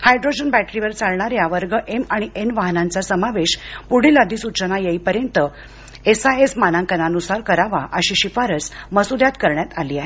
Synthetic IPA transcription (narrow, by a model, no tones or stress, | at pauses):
hajɖɾod͡ʑənbæʈɾiʋəɾt͡saɭɳaɾjaʋəɾɡəʔemaɽ̃iʔenʋaɦnant͡sasəmaʋeɕpuɽilad̪iːsut͡ɕənajeipəɾjənt̪ə | esaesmanãŋkənanusaɾkəɾaʋaʔəɕiɕifaɾət͡sməsud̪jat̪kəɾɳjat̪aliːaɦe